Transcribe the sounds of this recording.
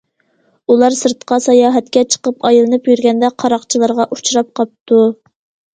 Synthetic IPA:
ulˠɑɾsɨɾt̪qʰɑsɑjɑːɦɛt̪̚kʲɛt͡ʃʰə̥qəpɑjlˠɨnɨpjyɾɡʲɛnd̪ɛqʰɑɾɑχt͡ʃʰilˠɨɾʁɑʔut͡ʃʰɾɑp̚qʰɑp̚t̪ʰu

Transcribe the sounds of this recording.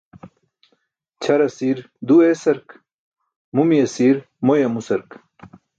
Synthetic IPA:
t͡ɕʰɐɾɐsiɾ | d̪uesɐɾk | mumijɐsiːɾ | mojɐmusɐɾk

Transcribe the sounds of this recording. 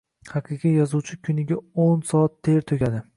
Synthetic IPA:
hɑqʰɨqijjɒzuwt͡ʃʰɪkʲʰʊnɪɡʲaonsɒat̪ːʰe̞ɾt̪ʰokʲad̪ɪ

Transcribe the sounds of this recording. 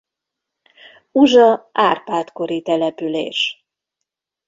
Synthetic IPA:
uʒɒaːrpaːt̪ko̞ɾit̪ɛlɛpylḛːʃ

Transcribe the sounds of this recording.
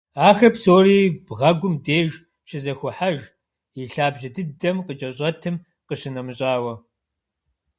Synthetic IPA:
aːxɐpsoːriːbʁɐɡʷʊmdeːʒ | t͡ʃʰɪzɐxʷʊħaʒ | iɬaːbʑɐdɨdɐmqət͡ʃʼɐɕʼɐtʰɨm | qəɕɪnɐmɕʼaːwɐ

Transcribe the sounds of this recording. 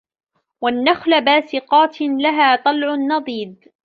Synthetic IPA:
wanːaxlabaːsɪqɑːt̪laɦaːt̪ˤɑlʕʊnːɑðˤiːd̪̚

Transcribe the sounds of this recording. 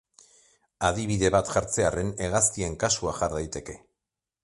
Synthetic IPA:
aðiβiðe̞βat̪ʝaɾt͡se̞are̞ne̞ɣast̪ie̞ŋkasuaʝaɾðajt̪e̞ke̞

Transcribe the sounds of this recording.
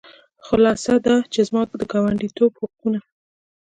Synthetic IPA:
xʊlɑsad̪at͡ʃezmɑd̪əɡɑwaɳɖit̪obhʊq̚una

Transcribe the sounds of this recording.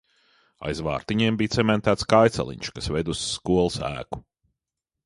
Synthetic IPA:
a̰jzva̰ːɾt̪iɲiɛmbijt̪sɛmɛnt̪æːt̪skajt̪sa̰lˠḭɲʲʃkasvɛjd̪usːkuɔlˠsæ̰ːku̥

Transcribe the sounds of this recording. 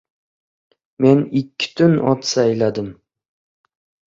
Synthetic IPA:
me̞nɪkʲʰːɪ̥t̪ʰʊnʔɒ̰t̪sajlad̪ɪm

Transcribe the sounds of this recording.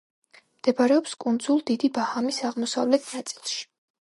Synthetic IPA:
md̪̥ɛbaɾɛɔpskʼund̪zulˠd̪id̪ibahamisaʁmɔsa̰vlɛt̪ʰnat̪sʼilˠʃi̥

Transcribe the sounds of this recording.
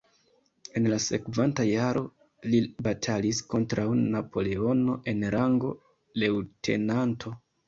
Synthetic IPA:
e̞nlasekvantajaɾʔo̞ | libatʰalisko̞ntɾawnapʰo̞le̞o̞no̞ʔe̞nɾaŋɡo̞ | lewtʰe̞̰nantʰo̞

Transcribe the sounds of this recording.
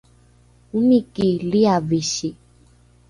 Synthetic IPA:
umĩkeliaveʃe

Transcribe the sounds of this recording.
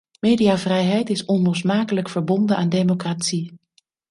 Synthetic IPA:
meːdijaːvrɛjɦɛjtɪsɔnlɔsmaːkələkfəɹbɔndənʔa̰ːndejmokratsi

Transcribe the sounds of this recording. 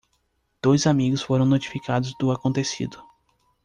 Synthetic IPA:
d̪̥ojzamiɡʊsfoɾɐ̃w̃not͡ʃi̥fikad̪ʊzd̪ʊakõnt̪esḭd̪ʊ

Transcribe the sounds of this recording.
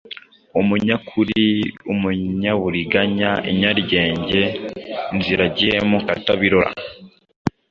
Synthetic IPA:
umuɲakʰuɾiumuɲaβuɾiɡaɲaḭɲaɾɟe̞ːɲɟe̞nziɾaɟihemukataβiɾoɾa̰

